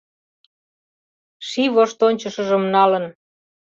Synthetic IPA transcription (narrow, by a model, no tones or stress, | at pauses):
ʃiβoʃt̪onʲt͡ɕəʃə̆ʒəmnɑlən